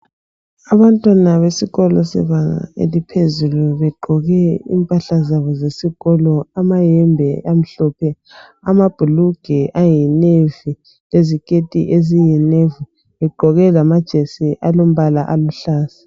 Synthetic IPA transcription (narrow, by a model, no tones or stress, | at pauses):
aβantʼwanaβesiɣɔlɔsɛ̰βaŋa̰ḛlipʰezuluβɛɡ͡ǃʱɔɣɛḭmpʼaɬazaβɔzesiɣ̥ɔlɔamajɛmbʱɛam̩ɬɔːpʰɛ | amab̥ʱuluɡ̥ʱɛʔajinevi | lezikʼetʼḭʔezijɛnevu | βɛɡ͡ǃʱɔɣɛlamad̥ʒ̥ʱesiʔalom̩βalaʔaluɬaːsḁ